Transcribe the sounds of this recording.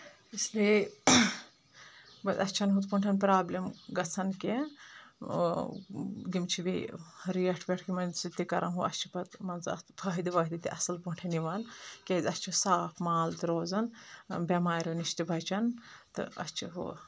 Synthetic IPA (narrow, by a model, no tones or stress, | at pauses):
isli | bɐt̪ɐst͡ʃʰɐnɦut̪puɳʈʰɐnpɾaːblimɡɐt͡sʰɐnke | ɡimt͡ʃʰibiɾijɐʈʰbʲeʈʰkʰimɐnsit̪ːikɐɾʔɐnɦuʔɐ̰st͡ʃʰi̥pɐt̪mɐnzɐ̰pʰɐɦid̪iʋɐɦd̪it̪iʔɐsɐlpuɳʈʰɐniʋɐnkʲezʲɐst͡ʃʰisaːpʰmaːlt̪ɨɾoːzɐnbʲemaːɾʲuniʃt̪ibʱɐt͡ʃɐnt̪ɨ̰ɐ̰st͡ʃʰiɦṵ